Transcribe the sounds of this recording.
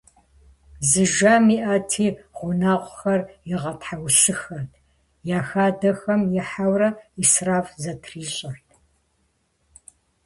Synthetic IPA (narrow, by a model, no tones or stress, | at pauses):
zɨʒaːmiːʔɐtʰiːʁʷʊnaːʁʷxɐrjɪʁɐtħawɬɨxɐrtʰ | jaːxaːdɐxɐmjɪħawrɐisraːfzɐtʰriːɕʼɐrt̚ʰʼ